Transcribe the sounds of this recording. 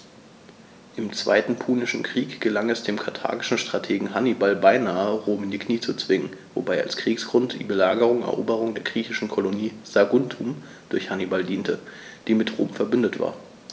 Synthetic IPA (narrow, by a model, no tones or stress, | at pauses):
ʔɪmt͡sv̥a̰ɪtn̩pʰuːnɪʃn̩kʁ̥iːkɡ̥əlaŋɛsd̥eːmkʰatʰa̰ːɡɪʃn̩ʃtʁ̥atʰeːɡŋ̩ɦanibalbaɪnaːəʁoːmndikʰniːt͡sut͡sv̥ɪŋənvo̰baɪa̰lskʁ̥iːksɡ̥ʁʊntd̥ḭːbəlaːɡəʁ̞ʊŋɛ̰ɐʔoːbəʁ̞ʊŋdeːɐɡʁiːçɪʃn̩kʰoloniːz̥aɡʊntʰum | d̥ʊɐçhanibaldiːntəd̥iːmɪtʁo̰ːmfɛɐbʏndətv̥a̰ːɐ